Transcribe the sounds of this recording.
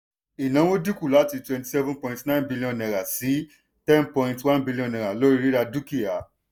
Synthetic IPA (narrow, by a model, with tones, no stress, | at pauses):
i˨nã˨˦w̃o˦di˦ku˦˨la˨˦ti˧twɛ̃˧nti̥˨sɛ˦vũ˦pɔ̃˧˨ĩntnã˦ĩ˦nbi˦li˦ɔ̃˧˨nɛ̃˨ɾa˨si˨˦ | tɛ̃˦npɔ̃˧ĩntwã˦nbi˦li˦ɔ̃˧nɛ̃˨ɾa˨lo˦ɾi˧ɾi˦ɾa˧du˦ki˨a˨